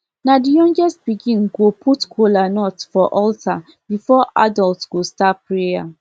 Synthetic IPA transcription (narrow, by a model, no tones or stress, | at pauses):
nadijɔ̃ŋɡɛst̚b̥iɡĩnɡopʰutkʰolanɔtfɔʔɔltʰa | bifɔʔa̰dɔltɡ̥ostapːɹeja̰